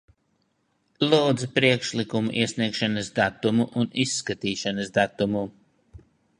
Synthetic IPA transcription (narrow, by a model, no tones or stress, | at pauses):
lˠuːd̪zpɾiɛkʃlikumṵʔiɛsniɛkʃanɐsd̪at̪umuʔunisːkat̪iːʃanɐsd̪at̪umu